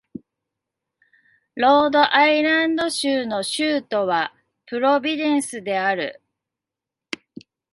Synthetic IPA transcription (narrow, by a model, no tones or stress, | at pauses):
ɾo̞ːd̪o̞ʔaiɾãnd̪o̞ɕɨːno̞ɕɨːt̪o̞βa | pɯ̟ɾo̞bʲid̪ẽ̞ɰ̃sɨd̪e̞aɾɯ̟̰